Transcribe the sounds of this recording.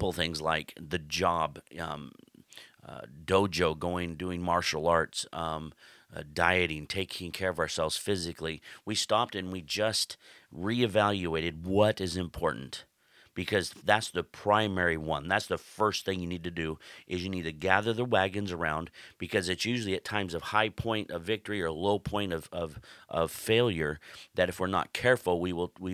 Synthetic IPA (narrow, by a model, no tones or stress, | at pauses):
pl̩ˠθɪ̃ŋzla̰ɪkðɨd͡ʒɑb | doʊd͡ʒoʊɡoʊɪ̃ŋduɪ̃ŋmɑɹʃl̩ˠɑɹtsʌ̃ | daɪɨɾɪ̃ŋtʰeɪkʰɪ̃ŋkʰɛɹʌvə˞sɛlˠvz̥fɪzɨkliwistɑp̚tɨ̃nwid͡ʒʌst̚ɹiɨvælˠjʉeɪɾɨd̚wʌɾɨzɨ̃mpʰɔɹʔn̩t | b̥ɨkʰʌzðætsðəpʰɹ̥ãɪ̃mɛɹiwʌ̰̃nðætsðəfɜ˞st̪θɪ̃ŋjɨnid̚tɨdɨʔɪzjɨnid̚tʰɨɡæðə˞ðəwæɡɨ̃nzə˞ã̰ʊ̃nb̥ɨkʰʌzɨtsjʉʒl̩ˠiɨtʰãɪ̃mzʌv̥haɪpʰɔ̃ɪ̃ntʌvɪk̚tə˞iə˞loʊpʰɔ̃ɪ̃ñʌv̥ʌv̥ʔʌv̥feɪlˠjə˞ðɨɾɨfwəɹnə̰t̚kʰɛɹfl̩ˠwiwɪlˠwi